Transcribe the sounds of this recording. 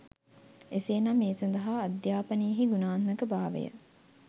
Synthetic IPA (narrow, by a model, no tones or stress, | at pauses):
eseːnɐmːeːsond̪ɐɦaːd̪jaːpɐnijəɦiɡunaːnməkəbaːʋə̰jə̰